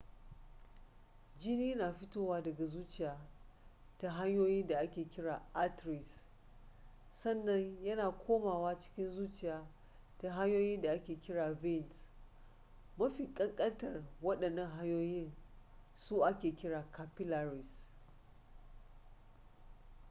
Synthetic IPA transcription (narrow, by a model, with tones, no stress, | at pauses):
d͡ʒɪ˦niː˦naː˨ɸɪ˦toː˦waː˦dɐ˨ɡa˨zuː˦t͡ʃɪ˨jaː˨ | ta˦ɦa˦ɲjoː˦jɪ˦nda˨ʔa˦kʲeː˨kʲɪ˦ɽaː˨ʔa˦tɾɪ˨s | sɐ˦nːɐ˦ɲjɐ˦naː˨kʷʰoː˦maː˨waː˦t͡ʃɪ̥˦kʲɪ˦nzuː˦t͡ʃɪ˨jaː˨ | ta˦ɦa˦ɲjoː˦jɪ˦nda˨ʔa˦kʲeː˨kʲɪ˦ɽaː˨vɪ˦˨nt | mɐ˦ɸi˨kʼɐ˦ŋkʼɐ˦ntɐ˨rwɐ˦ɗɐ˨nːɐ˦ŋɦa˦ɲjoː˦jɪ˦n | su˦ʔa˦kʲeː˨kʲɪ˦ɽaː˨kʰa˨pɪ˦la˨ɾɪ˨s